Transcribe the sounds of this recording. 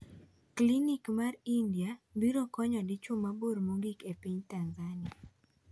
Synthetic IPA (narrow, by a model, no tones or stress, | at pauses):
klinikmarindiabiɾokɔɲɔdit͡ʃumaboɾmuŋɡikepiɲtanzania